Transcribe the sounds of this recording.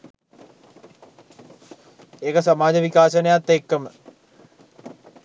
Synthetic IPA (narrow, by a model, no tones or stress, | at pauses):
ekɐsɐmaːd͡ʑɐʋikaːsɐnejat̪ːeːkːɐmə